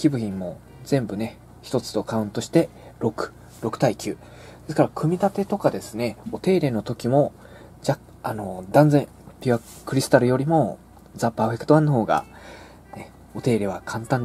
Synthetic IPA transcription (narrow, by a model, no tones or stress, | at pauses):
kʲibɯ̟çĩmːo̞ | d͡zẽ̞mbɯ̟ne̞ | çi̥t̪o̞t͡sɨ̥t̪o̞kaɯ̟̃nt̪o̞ɕi̥t̪e̞ | ɾo̞kɯ̟̥ | ɾo̞kɯ̟̥t̪aikʲɨː | d̪̥e̞sɨ̥kaɾakʰɯ̟mʲit̪at̪e̞t̪o̞kad̪e̞sɨne̞o̞t̪e̞ːɾe̞no̞t̪o̞kʲimo̞ | d͡ʑa | ano̞d̪ãnd͡zẽ̞ | pʲia | kɯ̟ɾʲisɨ̥t̪aɾɯ̟jo̞ɾʲimo̞ | d͡zapaːɸe̞kɯ̥t̪oãnːoho̞ːɡa̰ | ne | o̞t̪e̞ːɾe̞βakʰãnt̪ãnd̪